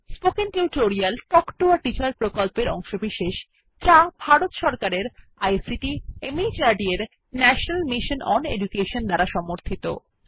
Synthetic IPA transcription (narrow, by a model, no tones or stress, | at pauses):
spokenʈewʈoɾialʈɔkʈoaɾʈit͡ɕaɾpɾokolpeɾɔŋʃobiʃeʃ | d͡ʑabʱaɾot̪ʃɔɾkaɾeɾ | ajsiʈiemid͡ʑaɾɖieɾ | nɛʃonalmiʃonʔɔnḛd͡ʑukeʃond̪aɾaʃɔmoɾt̪ʰit̪o̰